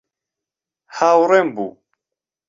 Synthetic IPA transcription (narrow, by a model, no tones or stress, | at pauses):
hawɾɛmbṵ